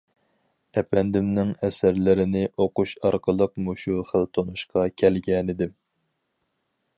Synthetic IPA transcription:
ɛpɛnd̪ɪmnɪŋɛsæɾlɪɾɪnɪʔoqʊʃɑɾqʰəlˠəqmuʃuχəlt̪ʰonuʃqʰɑkʲʰɛlɡʲɛnɪd̪ɪm

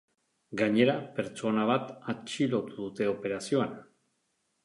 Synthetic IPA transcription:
ɡaɲe̞ɾape̞ɾt͡ʃo̞naβ̞at̪at͡ʃilo̞t̪uðut̪e̞o̞pe̞ɾasio̞an

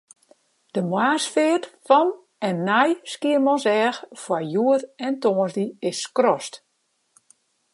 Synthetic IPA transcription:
d̥əmwaːsfɪətfɔn | ɛnːajskiərmɔnsɛːxfwajuəɾɛntoːnzdiɪsːkrɔst

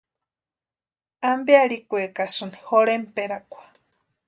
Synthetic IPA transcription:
ambealikʷekasɨnixoɾempeɾakʷḁ

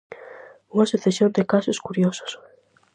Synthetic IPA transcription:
uŋasuθesjond̪ekasoskuɾjoso̥s

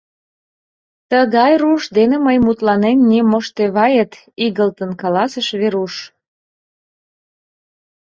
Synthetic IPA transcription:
t̪əɣɑjruʃd̪eneməjmut̪lɑnenːimoʃt̪eβɑjət̪ | iɣəlt̪ənkɑlɑsəʃβeɾuʃ

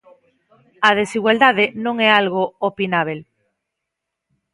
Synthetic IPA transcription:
ɐð̞esiɣwald̪aðenõŋɛalɣoopinaβ̞el

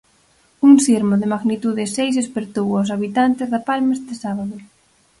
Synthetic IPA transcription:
uŋsiɾmoðemaɣnit̪uðesejsespeɾt̪owaws̬aβit̪ant̪ezðapalmest̪esaβaðo

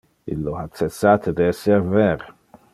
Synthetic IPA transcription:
ḭlːoat͡sːɛsːat̪ʰed̪ɛseɾvɛɾ

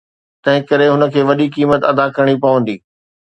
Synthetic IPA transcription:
t̪ɐ̃ɦɪ̃kɐɾeɦʊnə̆kʰeːʋɐɗikiːmət̪ɐd̪akɐɾəɽ̃ipɐʋə̃nd̪iː

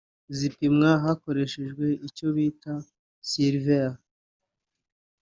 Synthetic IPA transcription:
zipimŋaɦako̞ɾe̞ʃeʒɡwe̞ico̞βiːta | siɾvea

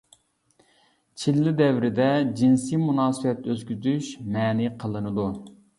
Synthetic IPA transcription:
t͡ʃʰilːɪd̪ɛvɾɪd̪ɛd͡ʒinsimunɑːsɨfɛt̪ʰøzkʲyzyʃmɛːniqʰəlˠɨnɨd̪u

